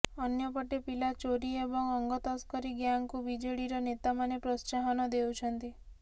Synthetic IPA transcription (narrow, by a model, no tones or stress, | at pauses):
ɔnjɔpɔʈepilat͡ʃoɾiebɔŋɔŋɡɔt̪ɔskɔɾiɡjaŋkubid͡ʒeɽiɾɔnet̪amanepɾɔst͡ʃaɦɔnɔd̪ewt͡ʃʰɔnt̪i